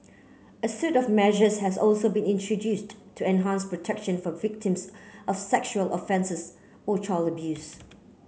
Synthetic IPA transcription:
əsɛtɔvmɛʒəshɛzɔlsobĩnɪ̃ntʰɹədjusttʰuɛ̃nɦãnspɹɔtʰɛkʃə̃nfɔvɪk̚tʰɪ̃msʔɔfsɛkʃuəlʔɔfɛ̃nsəs | ot͡ʃʰɹaləbjus

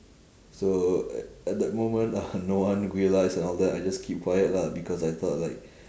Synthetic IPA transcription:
so | ɛt̚dɛt̚mõmə̃ntanowãnɹiəlajsɛ̃nɔldɛajd͡ʒaskʰip̚kʰwajət̚labikɔsajt̪ʰɔt̚laɪk̚

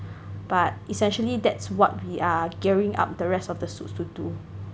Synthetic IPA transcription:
b̥at̚isɛ̃nʃəlidɛtswɔt̚wiaɡɛɹĩŋʔa̰p̚dəɹɛstɔfdəsutstudu

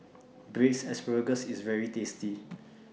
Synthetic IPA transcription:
bɹeksɛsbəɡəsisvɛɹitesti

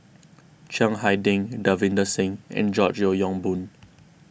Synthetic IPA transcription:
t͡ʃãŋɦaɪdĩŋdavĩndəsɪ̃ŋʔɛ̰̃nd͡ʒɔt͡ʃjɔjɔ̃ŋbũn

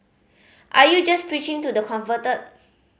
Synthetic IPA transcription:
ʔaɾjud͡ʒɐs̚pɾit͡ʃĩŋtud̪əkʰɔ̃mfətə

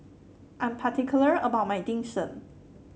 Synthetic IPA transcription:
ʔãjmpʰatʰɪkʰjlə˞əbaʊt̚maɪdɪ̃ŋsə̰̃n

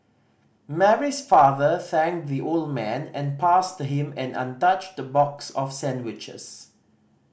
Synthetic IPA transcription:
mɛɹisfaðəθɛ̃ŋkðiʔoldmɛ̃nɛ̃npastuɦɪ̃mɛ̃nã̰ntat͡ʃdəbɔksɔfsɛ̃ndwɪt͡ʃə̰s

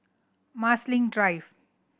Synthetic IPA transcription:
masliŋɖɾajb

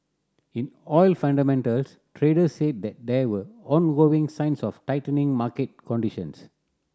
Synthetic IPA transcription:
ĩnɔjlfãnɖamɛ̃ntəls | tʰɾeːɖəssed̚d̪ɛt̚d̪ɛwəɔ̃nɡoĩŋsãɪ̃nsɔftaɪtənĩŋmaːket̚kɔ̃nɖiʃə̰̃ns

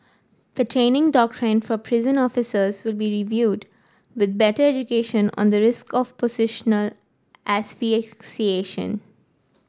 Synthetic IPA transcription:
d̪̥əʈʰɾẽːnɪ̃ŋɖɔːk̚ʈʰɾɪ̃nfɔpʰɾɪzə̃nɔːfɪsəzʋɪlbiːɾiʋjuːɖ | ʋɪd̪̚bɛʈəɾɛd͡ʒʊkeːʃə̃nɔ̰̃nd̪əɾɪskɔʋpozɪʃənəl | ʔæsfisieːʃə̰̃n

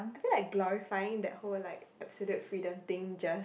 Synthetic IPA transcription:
aɪjfilaɪk̚ɡlɔɹifaɪɪ̃ŋd̪ɛt̚hollaɪkɛpsɔljutfɹidə̃mt̪ɪ̃ŋd͡ʒas

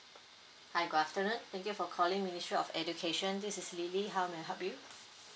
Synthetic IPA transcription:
haɪɡoaftənũnt̪ɛ̃ŋkjufɔkʰɔlĩŋministɹiɔ̰fɛd͡ʒukʰeʃə̃nd̪isɪsliliɦaʊmeɦɛp̚ju

